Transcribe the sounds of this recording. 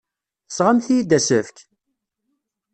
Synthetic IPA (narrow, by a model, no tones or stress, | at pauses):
θəsʁamθijid̪æsəfk